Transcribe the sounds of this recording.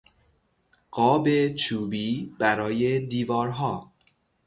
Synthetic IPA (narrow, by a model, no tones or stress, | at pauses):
ɢ̥ɒːbe̞t͡ʃʰuːbiːb̥æɾɒːje̞d̪iːvɒːɾɦɒː